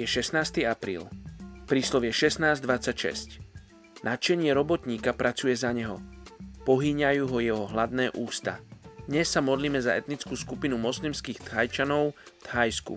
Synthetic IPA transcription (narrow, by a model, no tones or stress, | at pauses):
jɛʃɛsnaːst̪iapɾḭːlpɾiːslɔʋjɛʃɛsnaːzd̪ʋat͡sːacʃɛ̰sc | nʔat͡ʃɛɲɪɛɾɔbɔt̪ɲiːkapɾʔat͡sujɛzaɲɛɦɔpɔɦiːɲajuːɦɔjɛɦɔɦlad̪nɛːʔuːst̪a̰d̪ɲɛsːamɔd̪liːmɛzaɛ̰t̪nit͡skuːskupinumɔslimskiːxt̪hajt͡ʃanɔʊt̪hajskṵ